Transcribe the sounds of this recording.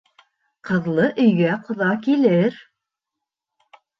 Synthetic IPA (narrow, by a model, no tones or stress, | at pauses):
qʰɤ̆ðlˠɤʔɵ̆jɡæqŏðɑkilɘɾ